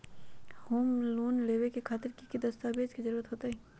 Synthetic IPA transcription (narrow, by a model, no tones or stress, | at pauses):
hoːmloːnleːʋekekʰaːt̪ɪɾkikid̪ɐst̪abeːd͡ʒkizɐɾuːɾət̪ɦoːt̪aɦɛː